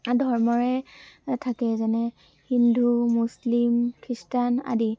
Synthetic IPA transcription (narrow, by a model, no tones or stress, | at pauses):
dʱɔɹmɔɹɛtʰakɛzɛnɛ | hindʱumuslimkʰistana̰di